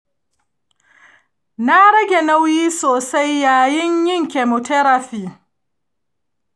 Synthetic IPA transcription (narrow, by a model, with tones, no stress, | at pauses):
na˦ɽɐ˦ɡʲe˨na˦wjiː˦soː˨sa˦jːaː˨jɪ˦ɲjɪ˦ŋkʲe˨mʊ˨tɛ˦ɾa˨ɸiː˨